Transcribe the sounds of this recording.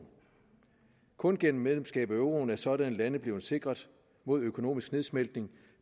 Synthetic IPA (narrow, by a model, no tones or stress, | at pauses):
kʰɔ̽nɡ̥en̰m̩ːeðlemsɡ̥ɛ̰ːb̥̩ˠæøʊʁo̝n̩æɐsɒ̽ɾænlænðb̥le̝ːʊse̝ɡ̥ʁɐðˠ | mo̝ð̰ˠøkʰo̝no̝̰ːmisɡ̥ne̝ðˠsmeld̥ne̝ŋ